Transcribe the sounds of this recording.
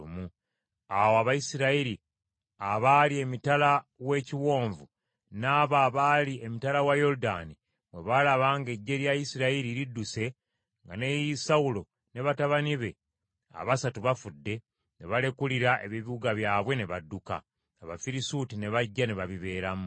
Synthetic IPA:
umu | awoaβajisiɾaiɾi | aβaːlie̞mitalawe̞ːciwo̞ːɱvu | naːβaːβaliemitalawajo̞ɾuda̰ːni | βwe̞βalaβaːŋɡe̞ɟːe̞ɾjajisiɾaiɾiɾidːuse̞ | ŋɡane̞jisawulo̞ | ne̞βataβaniβe̞ | a̰βasatuβafudːe̞ | ne̞βale̞kuliɾaʔe̞βiβiuɡaβjaːβwe̞ne̞βadːuka̰ː | βa̰fiɾisutine̞βaɟːaneβaβiβe̞ːɾam

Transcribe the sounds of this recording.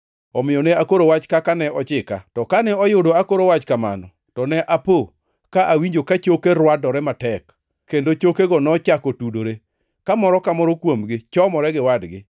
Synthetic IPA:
ɔmɪɔneakoɾowat͡ʃkakanɛɔt͡ʃɪka̰tɔkanɛɔjʊdoakoɾowat͡ʃkama̰nɔ | tɔnɛʔapo | kaʔawiɲd͡ʒokat͡ʃokeɾwadɔɾɛmatɛkː | endot͡ʃokeɡɔnɔt͡ʃakɔtudoɾe | kamɔɾɔkamɔɾɔkwomɡɪt͡ʃɔmɔɾɛɡɪwadɡɪ

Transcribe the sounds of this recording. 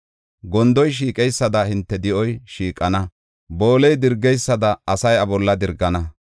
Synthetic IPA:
ɡɔnd̪ɔjʃ̬iːkʼɛjsːɐd̪ɐhɪnt̪ːɛd̪ɪʔɔjʃiːkʼːɐnɐ | bo̞ːlɛjd̪ɪɾɡɛjsːɐd̪ɐɐsɐjɐbɔlːɐd̪ɪɾɡɐnɐ

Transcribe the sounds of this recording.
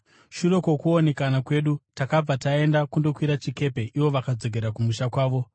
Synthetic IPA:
ʃuro̞ko̞kuone̞kanakwe̞ːɗutakab͡vatae̞ndakundo̞kwiɾat͡ʃike̞pe̞ʔiʋo̞ʋakad͡zo̞ɡʱe̞ɾakumuʃakwaːʋo̞

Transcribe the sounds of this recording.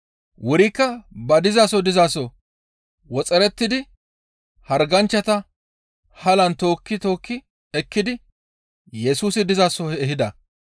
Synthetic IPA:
wʊɾɪkːɐbɐd̪ɪzaːsɔd̪ɪzaːsɔ | wɔt͡sʼɛɾɛt̪ːɪd̪ɪ | hɐɾɡɐnt͡ʃːɐt̪ɐ | hɐlɐnt̪o̞ːkːɪt̪o̞ːkːɪ | ɛkːɪd̪ɪ | jɛsuːsɪd̪ɪzaːsɔɛɛɦɪd̪ɐ

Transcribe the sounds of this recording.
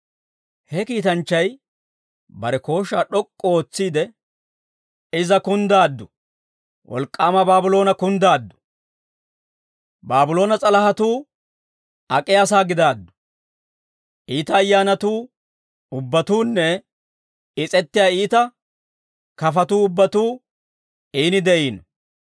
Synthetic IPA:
hɛkiːt̪ɐnt͡ʃːɐj | bɐɾɛko̞ːʃaːɗɔkʼːɔoːt͡sːiːd̪ɛ | ɪzɐkʊnd̪aːd̪ːʊ | wʔɔ̰lkʼːaːmɐbaːbʊlo̞ːnɐkʊnd̪aːd̪ːʊ̥ | baːbʊlo̞ːnɐt͡sʼɐlɐhɐt̪uː | ɐkʼɪjasaːɡɪd̪aːd̪ːʊ̥ | ʔiːt̪ɐːjːaːnɐt̪uː | ʊbːɐt̪uːnːɛ | ɪt͡sʼɛt̪ːɪjaːiːt̪ɐ | kɐfɐt̪uːʊbːɐt̪uː | iːnɪd̪ɛʔiːnɔ

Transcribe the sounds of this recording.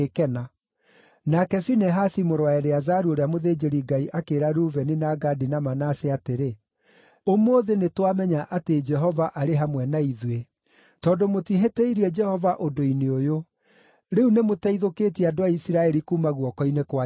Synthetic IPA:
ekɛna | nakɛfinɛɦasimoɾwaɛɾeazaɾuoɾeamoðeːd͡ʒeɾiɡaiʔakeɾaɾuːvɛninaɡadinamanaseateɾe | omoðenetwamɛɲaʔated͡ʒɛɦɔvaʔaɾeɦamwɛnaiðwe | tɔːdomotiɦeteiɾiɛd͡ʒɛhɔvaʔodoineojo | ɾeunemotɛiðoketiɛadoaisiɾaɛɾikuːmaɣwɔkɔinekwa

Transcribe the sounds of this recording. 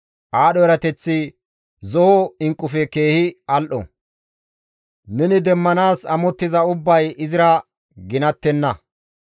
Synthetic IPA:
ʔaːɗɔɛɾɐt̪ɛt͡sːɪ | zɔhɔɪŋkʼːʊfɛke̞ːhɪɐlʔɔ̰ | nɛnɪd̪ɛmːɐnaːsɐmɔt̪ːɪzɐʊbːɐjɪzɪɾɐ | ɡɪnɐt̪ːɛnːɐ

